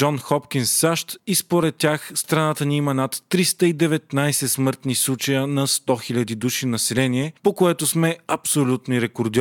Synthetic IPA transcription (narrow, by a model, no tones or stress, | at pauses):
ɔnxɔpkʲinsːaʃt̪ispoɾɛt̪̚ːʲaxst̪ɾɐnat̪əniimɐnɐt̪ːɾist̪əid̪ɛvɛt̪najsɛsmɤɾt̪nislˠut͡ʃɐjənɐst̪ɔxilʲɐd̪id̪uʃinɐsɛlɛniɛpokoɛt̪osmɛɐpsolʲut̪noiɾɛkoɾd̪ʲi